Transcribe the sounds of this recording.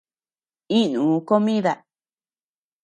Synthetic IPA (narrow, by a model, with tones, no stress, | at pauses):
ĩ˦nũː˨˦ko˦mĩ˦ða˧